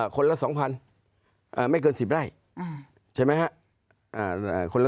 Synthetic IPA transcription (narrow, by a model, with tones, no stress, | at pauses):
kʰo˧nla˦˥˩sɔː˩˦ŋpʰa˧n | ʔəː˨˩ma˥˩jk̬ɤː˧nsi˨˩p̚ɾaː˥˩j | t͡ɕʰa˥˩jma˦˥jhʰa˦˥ʔ | ʔaː˧˨˩kʰo˧la˥